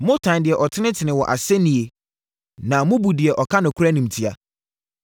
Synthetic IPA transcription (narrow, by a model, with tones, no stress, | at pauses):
mʊ̃˦tʰã˨ndɪ˨ɛ˨ʔɔ˨tʰɪ˦nɪ̃˦tʰɪ˨nɪ̃˨wɔ˨ʔa̰˨sɛ˦nĩ˨e˨ | nã˨mʊ̃˦bu˨dɪ˨ɛ˨ʔɔ˨kʰa˦nʊ̃˨kʰʊ˦ɾa˦nĩ˨m̩˨tʰi˦a̰˨